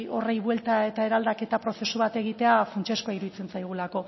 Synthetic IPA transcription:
o̞rejβwe̞lt̪ae̞t̪ae̞ɾald̪ake̞t̪apɾo̞se̞suβat̪e̞ɣ̞it̪e̞afɾant͡ʃeskoaiɾuðit͡se̞nt͡sajɣ̞ulako̞

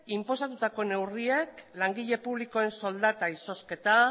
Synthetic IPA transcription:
impo̞sat̪ut̪ako̞ne̞wrie̞klaŋɡiʎe̞puβ̞liko̞e̞nso̞ld̪at̪aiso̞ske̞t̪a

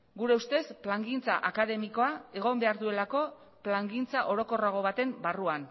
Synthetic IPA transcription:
ɡuɾe̞ust̪e̞splaŋɡint͡saʔakaðe̞miko̞ae̞ɣ̞o̞mbe̞aɾðue̞lako̞ | plaŋɡint͡saʔo̞ɾo̞ko̞raɣ̞o̞β̞at̪e̞mbaruan

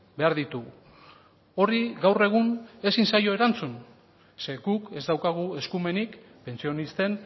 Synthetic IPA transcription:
be̞aɾðit̪uɣ | o̞riɣawre̞ɣ̞une̞sinsajo̞e̞ɾant͡sun | se̞ɣuke̞zd̪awkaɣ̞ue̞skume̞nik | pe̞nt͡sio̞nist̪e̞n

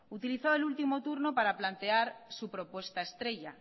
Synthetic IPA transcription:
ut̪iliθoelult̪imot̪uɾnopaɾaplant̪eaɾsupɾopwest̪aest̪ɾeʎa

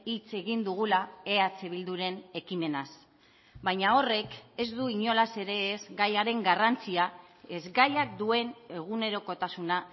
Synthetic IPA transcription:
it͡se̞ɣind̪uɣulae̞at͡se̞β̞ild̪uɾe̞ne̞kime̞nas | bajɲao̞re̞ke̞zd̪uiɲo̞lase̞ɾe̞ːzɡajaɾe̞ŋɡarant͡siae̞zɡajakd̪ue̞ne̞ɣ̞une̞ɾo̞ko̞t̪asuna

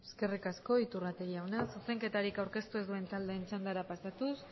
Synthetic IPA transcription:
eske̞rikasko̞it̪urat̪e̞ɣiawnasuse̞ŋke̞t̪aɾikawɾke̞st̪ue̞zd̪ue̞nt̪ald̪e̞ːnt͡ʃand̪aɾapasat̪us

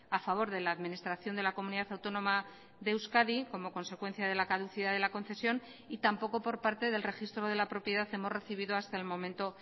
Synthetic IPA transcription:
afaβ̞o̞ɾðe̞laːðmĩnist̪ɾaθjo̞nd̪e̞lako̞muniðaθawt̪o̞nõ̞ma | ðe̞wskaðiko̞mo̞ko̞nse̞kwe̞n̟θjaðe̞lakaðuθiðaðelako̞nθe̞sjo̞n | it̪ampo̞ko̞po̞ɾpaɾt̪e̞ðe̞lre̞xist̪ɾo̞ð̞e̞lapɾo̞pje̞ðaθe̞more̞θiβ̞iðo̞ast̪aelmõ̞mẽnt̪o̞

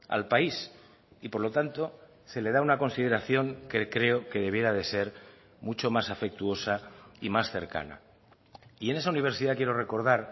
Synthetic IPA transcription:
a̰lpais | ipo̞ɾlo̞t̪ant̪o̞ | se̞le̞ðaunako̞nsið̞e̞ɾaθjo̞ŋkekɾe̞o̞ke̞ðe̞β̞je̞ɾað̞e̞se̞ɾ | mut͡ʃo̞masafe̞k̚t̪uo̞saimasθe̞̰ɾka̰na̰ | ie̞ne̞sauniβ̞e̞ɾsiðakjeɾo̞re̞ko̞ɾð̞aɾ

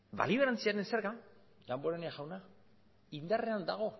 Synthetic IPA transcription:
ba̰liβ̞eɾant͡siaɾenseɾɣa | d̪amboɾeneaʝawna | ind̪are̞and̪aɣ̞o̞

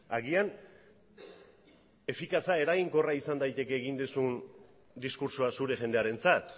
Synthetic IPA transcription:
aɣian | e̞fikasae̞ɾaɣiŋko̞raisand̪ajt̪e̞ke̞ːɣind̪usun | d̪iskuɾsoasuɾe̞ʝe̞nd̪eaɾe̞nt͡sat̪

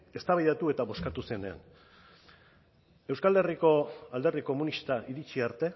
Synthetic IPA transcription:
e̞st̪aβajðat̪ue̞t̪aβo̞skat̪use̞ne̞a̰n | e̞wskald̪e̞riko̞ald̪e̞riko̞munist̪aʔiɾit͡ʃiaɾt̪e̞

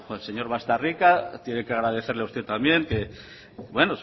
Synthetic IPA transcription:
else̞ɲo̞ɾβaest̪arikat̪jenekeaɣ̞ɾaðe̞θe̞ɾleauwst̪e̞t̪ambje̞ŋke | βwe̞nos

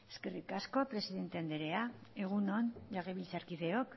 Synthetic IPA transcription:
e̞̥ske̞rikasko̞apɾe̞siðe̞nt̪eand̪eɾe̞ae̞ɣ̞unonʎaɣeβilt͡saɾkiðe̞o̞k

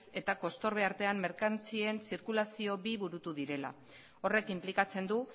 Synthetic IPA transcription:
se̞t̪ako̞st̪o̞ɾβ̞e̞aɾt̪e̞amːe̞ɾkant͡sie̞nsiɾkulasio̞biβuɾut̪uðiɾe̞la̰ | o̞re̞kimplikat͡se̞nd̪u

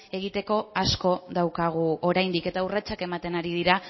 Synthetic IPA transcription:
e̞ɣit̪e̞ko̞asko̞ðawkaɣ̞uo̞ɾajnd̪ike̞t̪aurat͡ʃake̞mat̪e̞naɾiðiɾa

